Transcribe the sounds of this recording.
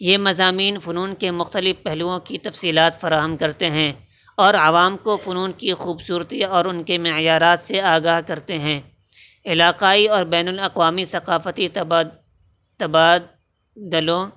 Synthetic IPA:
jeːmɐzaːmiːnfʊnuːnkemʊxt̪əlɪfpɛɦluõkit̪ɐfsiːlaːt̪fɐɾaːɦəmkɐɾt̪eɦɛ̃ | ɔːɾɐʋaːmkofʊnuːnkixuːbsuːɾt̪iɔːɾʊnkemɪjaːɾaːt̪seaːɡaːɦkɐɾt̪eɦɛ̃ː | ɪlaːqaːiɔːɾbɛːnʊlɐqʋaːmisɐqaːfət̪i | t̪ɐbaː | d̪əlõ

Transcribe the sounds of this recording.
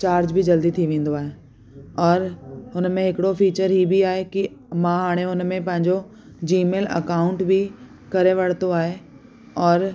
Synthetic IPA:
t͡ɕaːɾd͡ʑbʱid͡ʑɐld̪it̪ʰiʋẽːn̆d̪oaːɦe | ɔːɾʊnmẽɦɪkɪɽofiːt͡ɕəɾɦibʱiaːɦekimãɦaːɽ̃eʊnmẽpɐ̃ɦɪ̃ɲd͡ʑo | d͡ʑiːmeːlɐ̰kaːʊ̃ɳʈbʱi | kɐɾeʋɐɽ̤t̪oaːɦe | ɔːɾ

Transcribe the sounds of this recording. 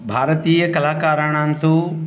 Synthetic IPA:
bʱaːɾt̪iːəkɐlaːkaːɾaːɽ̃ãːnt̪ʰo

